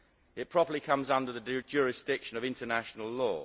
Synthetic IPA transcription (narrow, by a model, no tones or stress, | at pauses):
ɪt̚pʰɹ̥ɒpəlikʰʌ̃mzʌ̃ndəðəd͡ʒʊːɹɪsd̥ɪkʃə̃nəvɪ̃ntənaʃənəlˠlɔ̰ː